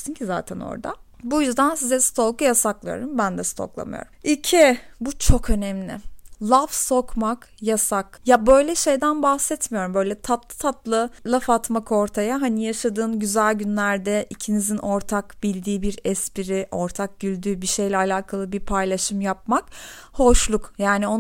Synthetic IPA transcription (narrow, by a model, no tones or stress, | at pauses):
sincʰiza̰ːt̪ʰɛno̰ɾd̪a̰ | bujyzd̪ænsizɛsɨ̥t̪ʰo̞lˠkujasaklˠajo̰ɾumbænd̪ɛst̪ʰo̞̰klˠa̰mɯ̰jo̰ɾumicʰibut͡ʃʰo̞kø̞nɛmlʲɪ̰lˠafso̞kmakjasakjabø̞jlʲɛʃe̞jd̪ænbahsɛt̪mijo̞ɾumbø̞jlʲɛt̪ʰat̪lˠɯt̪ʰat̪lˠɯlˠafat̪mako̞ɾt̪ʰajaɦanijaʃad̪ɯːnɟyzælʲɟynlʲæɾd̪ɛʔicʰinizinʔo̞ɾt̪ʰakbilʲd̪iːbiɾɛspiɾiʔo̞ɾt̪ʰak̚ɟylʲd̪yːbiʃe̞jlʲɛalʲaːkʰalˠɯbiɾpʰajlˠaʃɯmjap̚mak | ho̞ʃlˠukjaːnio